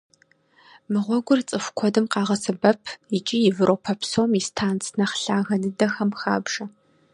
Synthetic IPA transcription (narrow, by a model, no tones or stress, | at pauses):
mɨʁʷɔɡʷʊrt͡sʼɨxʷkʷʰɔdɨmqɑːʁɐsɨbɐpʰit͡ʃʼijɪvɨɾʔowpʰɐpʰsowmistʰaːnt͡sʰnɐχɬaːɣɐnɨdɐxɐmxa̰ːbʒɐ